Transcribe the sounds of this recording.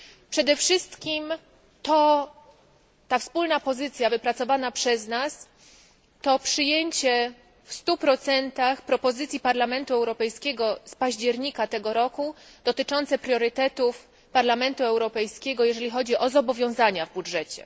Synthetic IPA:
pʂɛd̪ɛfʂɘst̪kʲim | t̪ɔ | t̪afspulnapɔzɘt̪sʲjavɘpɾat̪sɔvanapʂɛznas | t̪ɔpʂɘjeɲt͡ɕɛ | fst̪upɾɔt̪sɛnt̪axpɾɔpɔzɘt̪sʲjipaɾlamɛnt̪uɛwɾɔpɛjskʲɛɡɔspaʑd͡ʑɛɾɲikat̪ɛɡɔɾɔkud̪̥ɔt̪ɘt͡ʂɔnt̪sɛpɾʲjɔɾɘt̪ɛt̪uf | paɾlamɛnt̪uɛwɾɔpɛjskʲɛɡɔjɛʐɛlʲixɔd͡ʑiʔɔzɔbɔvʲjɔ̃zaɲavbudʐɛt͡ɕɛ̰

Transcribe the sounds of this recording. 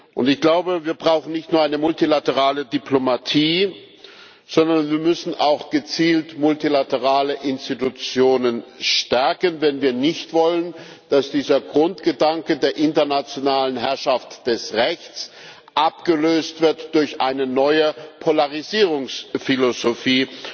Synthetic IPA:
ʔʊ̰ntɪçɡ̥laʊbəviːɐbʁaʊxn̩nɪçtnuːɐaɪnəmʊltilatəʁaːlədipʰlomatʰiː | z̥ɔndɐnviːɐmʏsn̩ʔaʊxɡ̥ət͡siːltmʊltilatəʁaːləʔɪnstitut͡sjoːnənʃtɛɐkənvɛnviːɐnɪçtv̥ɔlən | d̥asd̥iːzɐɡʁʊntɡ̥ədaŋkədeːɐʔɪntɐnat͡sjonaːlənɦɛɐʃaftd̥ɛsʁɛçt͡s | ʔapɡ̥əløːstv̥ɪɐtd̥ʊɐçʔa̰ɪnənɔʏəpʰolaʁiziːʁ̞ʊŋsfilozofiː

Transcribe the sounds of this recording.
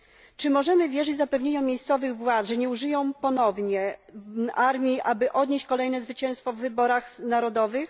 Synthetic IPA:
t͡ʂɘmɔʐɛmɘvʲjɛʐɘd͡ʑzapɛvɲeɲɔ̃mʲjejst̪sɔvɘɣvwat̪ʐɛɲɛuʐɘjɔ̃w̃pɔnɔvɲɛ | aɾmʲjiʔabɘʔɔd̪ɲeɕt͡ɕkɔlɛjn̪ɛzvɘt͡ɕɛ̃w̃st̪fɔvːɘbɔɾaxnaɾɔd̪ɔvɘx

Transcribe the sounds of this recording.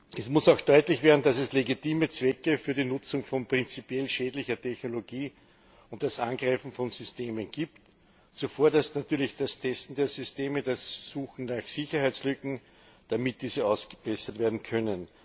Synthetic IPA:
ʔɛsmʊsɑʊxd̥ɔʏtlɪçv̥eːɐdn̩d̥asɛsleɡitiːmət͡sv̥ɛkəfyːɐɾiːnʊt͡sʊŋfɔnpʁ̥ɪnt͡sipjɛlʃɛːdlɪçɐtʰɛçnoloɡiː | ʊ̃nt̚d̥asʔãŋɡ̥ʁaɪfn̩fɔnzʏsteːmənɡiːpt | t͡sufoːɐdasnatyːɐlɪçd̥astʰɛstn̩d̥eːɐzʏsteːməd̥asːuːxŋ̩naxsɪçɐhaɪt͡sslʏkŋ̩ | d̥amɪt̚d̥iːzəaʊsɡ̥ə̥b̥ɛsɐtveːɐdn̩kʰœnən

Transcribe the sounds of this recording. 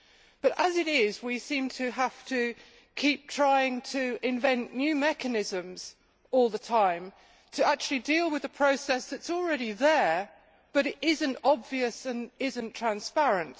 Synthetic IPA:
b̥ʌɾəzɨɾɪzwisĩmtʰɨɦaftɨ | kʰip̚tʰɹ̥aɪɪ̃ŋtʰɨɪ̃ɱvɛ̃nʔnjʉmɛkɨnɪzɨ̃mz̥ | ɔlˠðətʰãɪ̃m | tʰɨak̚t͡ʃʉl̩ˠidilˠwɨðəpʰɹ̥əʊsɛsðɨtsl̩ˠɹɛɾiðə˞ | b̥ʌɾɨɾʔɪzɨ̃ntɑbviɨsɨ̃nɪzɨ̃ntʰɹ̥æ̃nspæɹɨ̃nt

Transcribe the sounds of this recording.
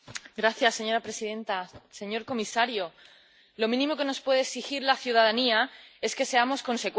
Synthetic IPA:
ɡɾaθjasːe̞ɲo̞ɾapɾe̞siðe̞nt̪ase̞ɲo̞ɾko̞misaɾjo̞ | lo̞mĩnĩmo̞ke̞no̞spwe̞ð̞eksixiɾlaθjuðaðaniae̞ske̞se̞amo̞sko̞nse̞kw

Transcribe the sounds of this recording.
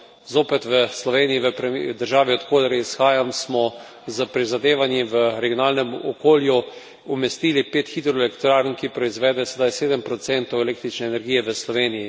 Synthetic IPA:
zoːpɛt̪ʋəslɔʋeːnijiʋəpɾɛd̪əɾʒaːʋiɔt̪koːd̪ɾɛisxaːjamsmɔ | zəpɾizad̪eːʋanjiʋəɾɛɡjonaːlnɛmɔkoːlju | umɛst̪iːlipeːt̪xid̪ɾɔɛlɛkt̪ɾaːɾnkipɾɔizʋɛːd̪ɛsɛd̪ajseːd̪əmpɾɔt̪sɛnt̪ɔwɛleːk̚t̪ɾit͡ʃnɛːnɛɾɡiːjɛʋəslɔʋeːniji

